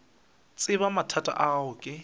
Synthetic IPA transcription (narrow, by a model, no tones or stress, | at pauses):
t͡sʼɪβamatʰatʼa̰ʔaɦʊkʼɪ